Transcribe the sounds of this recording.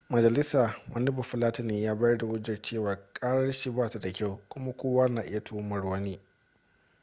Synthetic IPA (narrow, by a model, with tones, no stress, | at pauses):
mɐ˨d͡ʒɐ˨lɪ˦saː˨wʔɐ˦nɪ˦bʊ˨ɸɪ˦laː˦ta˦neː˨jaː˦ba˦ɐ˦rda˨wʊ˦d͡ʒɪ˨rt͡ʃeː˦˨waː˨kʼaː˦ɾɐ˦rʃi˦baː˦ta˨da˨kʲa˦˨wkʷʊ˦ma˦kʷoː˦waː˦naː˨ʔɪ̰˦ja˨tʰuː˦mɐ˨rwɐ˦niː˦